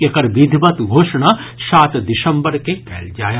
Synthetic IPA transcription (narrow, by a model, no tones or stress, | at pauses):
ekɐɾʋid̪ʱbɐt̪ɡʱoːʃɳ̃aːʃaːt̪d̪ɪʃɐ̃mbəɾkekʰɛːld͡ʒaːja